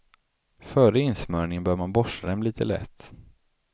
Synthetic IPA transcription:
fœːɾəɪnsmœːɳɪŋənbœːɾmanbɔʂad̪ɛmliːt̪ʰəlɛ̰t̪ː

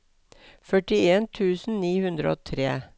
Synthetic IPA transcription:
fœʈɪeːnt̪ʰʉːsn̩niːhʉnd̪ɾə̰o̰ːt̪ʰɾeː

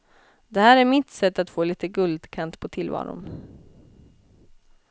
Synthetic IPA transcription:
d̪ɛhæːɾæɾmɪt̪sɛt̪ːat̪foːliːt̪əɡɵld̪kʰant̪pʰɔt̪ʰɪlvɑ̰ːɾʊ̰n

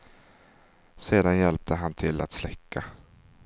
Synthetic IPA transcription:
seːd̪anjɛlp̚t̪ʰəɦant̪ʰɪlːa̰t̪slɛkːa

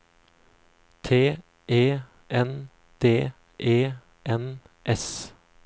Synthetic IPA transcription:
t̪ʰeː | ʔeː | ʔɛn | d̪̥eː | ʔeː | ʔɛn | ʔɛs

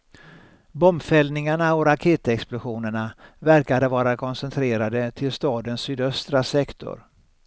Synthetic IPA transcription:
bɔmfɛlnɪŋaɳaɔɾakʰeːt̪ɛksplʊɧuːnəɳavæɾkad̪əvɑːɾakʰɔnsɛnt̪ʰɾeːɾad̪ət̪ʰɪlst̪ɑːd̪ənsyːd̪œst̪ɾasɛkt̪ʰʊ̰ɾ

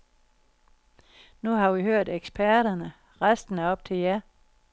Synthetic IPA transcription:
nuɦɑ̈ʋiɦøɐ̰d̥eɡ̥sb̥ʰæɐɾ̥ɐnə | ʁasd̥n̩æɒ̽b̥̚t͡sʰe̝ljæ

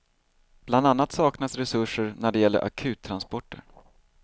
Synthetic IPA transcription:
b̥land̪anːat̪sɑːknasɾɛsɵʂəɾnæɖɛjɛlːə̰ʔa̰kʰʉ̟ːt̪ʰːɾanspɔʈːə̰ɾ

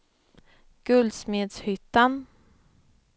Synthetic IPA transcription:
ɡ̥ɵld̪smeːd̪shʏt̪ːan

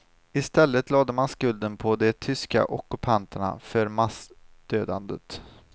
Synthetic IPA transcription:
ɪst̪ɛlːət̪ʰlɑːd̪əmanskɵld̪ənpʰɔd̪ɛt̪ʰʏska̰ʔɔkːɵpʰant̪əɳa̰fœɾmasd̪̥øːd̪a̰nd̪ə̰t̪

